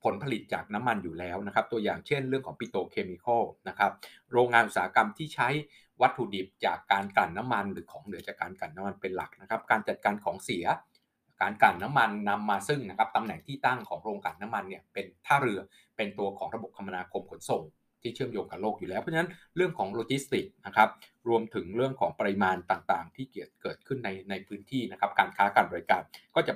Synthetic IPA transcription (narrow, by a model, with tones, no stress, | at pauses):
pʰo˩˦npʰa˧li˨˩t̪̚t͡ɕa̰ː˨˩k̚na˦˥mːa˧njuː˨˩lɛː˦˥wna˦˥kʰa˦˥p̚t̪u˧ɐjaː˨˩ŋt͡ɕʰe˥˩nɾɯ˥˩əŋkʰɔː˩˦ŋpi˨˩t̪oː˧kʰeː˧miː˧kʰɔ˥˩na˦˥kʰa˦˥p̚ | ɾoː˧ŋːaː˧nʔu˨˩saː˩˦a˦˥ka˧mt̪ʰiː˥˩t͡ɕʰa˦˥j | wa˦˥t̪ʰːu˨˩di˨˩p̚t͡ɕaː˨˩kːaː˧nkla˨˩nːa˦˥mːa˧nɾɯː˩˦kʰɔː˩˦ŋnɯ˩˦t͡ɕaː˨˩kːaː˧nka˨˩nːa˦˥mːa˧npe˧nla̰˨˩k̚na˦˥kʰa˦˥p̚kaː˧nt͡ɕa˨˩t̪̚kaː˧nkʰɔː˩˦ŋsi˩˦ɐ | kaː˨˧nkla˨˩nːa˦˥mːa˧nːa˧mːaː˧sɯ˥˩ŋna˦˥kʰa˦˥p̚t̪a˧mnɛ˨˩ŋt̪ʰiː˥˩t̪a˥˩ŋkʰɔː˩˦ŋɾoː˧ŋkaː˨˩nːaː˦˥mːa˧nːi˥˩ɐpe˧nt̪ʰaː˥˩ɾɯ˧ɐ | pe˧nt̪u˧ɐkʰɔː˩˦ŋɾa˧bo˨˩p̚t̪ʰa˧mːa˧naː˧kʰo˧mkʰo˩˦nso˨˩ŋ | t̪ʰiː˥˩t͡ɕʰɯ˥˩əmjoː˧ŋka˨˩loː˥˩k̚juː˨˩lɛː˦˥pʰɔ˦˥t͡ɕʰa˥na˦˥nɾɯ˥˩əŋkʰɔː˩˦ŋloː˧t͡ɕi˦˥st̪i˨˩k̚na˦˥kʰa˦˥p̚ɾu˧əmt̪ʰɯ˩˦ŋɾɯ˥˩əŋkʰɔː˩˦ŋpa˧i˧maː˧nt̪aː˨˩ŋt̪aː˨˩ŋt̪ʰiː˥˩ki˨˩ət̪̚kɤː˨˩t̪̚kʰɯ˥˩nːa˧jna˧jpʰɯː˦˥nt̪ʰiː˥˩na˦˥kʰa˦˥p̚kaː˧nkʰaː˦˥ka˨˩ndɔ˧kaː˧˩nkɔː˥˩t͡ɕa˨˩